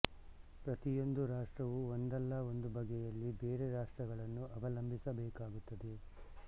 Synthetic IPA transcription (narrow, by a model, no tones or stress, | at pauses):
pɾɐt̪ijo̞nd̪uɾaːʂʈɾɐʋuond̪ɐlːɐo̞nd̪ubʱɐɡɛjɐlːibeːɾeɾaːʂʈɾɐɡɐɭɐnːuʔɐʋɐlɐmbʱisɐbɛːkaːɡut̪ːɐd̪e̞